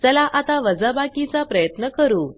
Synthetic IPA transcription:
d͡zɛlaʔat̪aʋəd͡zəbakit͡sapɾəjət̪nəkəɾuː

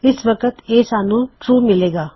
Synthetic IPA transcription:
ɪsʋəkət̪eːsaːnũːʈɾuːmɪleːɡaː

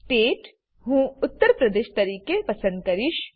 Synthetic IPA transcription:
ʈeːʈ | ɦũːʊt̪ːəɾpɾɐd̪eːʃt̪ɐɾiːkepɐsə̃nd̪̚kɐɾɪʃ

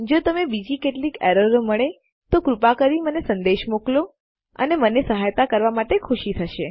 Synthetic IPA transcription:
d͡ʒot̪əmebid͡ʒikeʈlikeɾəɾoməɭe | t̪okɾupakəɾimənesənd̪eʃmoklo | ə̰nemənesəɦajt̪akəɾʋamaʈekʰuʃit̪ʰəʃe

